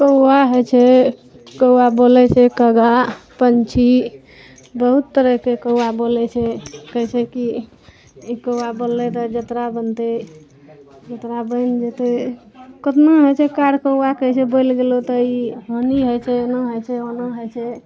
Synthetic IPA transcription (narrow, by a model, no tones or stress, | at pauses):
kəwwaɦəjt͡ʃʰɛ | kəwabolɛt͡ʃʰɛkəɡapənt͡ʃʰi | bəɦut̪ːəɾəkekəwabolɛt͡ʃʰɛkəjsʰeki | ikəwabolːɛt̪ɔd͡ʒət̪ɾabənt̪e | d͡ʒət̪ɾabəɪnd͡ʒet̪e | kət̪məɦojt͡ʃʰɛkaɽkəwakəjt͡ʃʰɛbəjlɡelot̪ɔiɦoniɦojt͡ʃʰɛonəɦəjt͡ʃʰɛonəɦəjt͡ʃʰɛ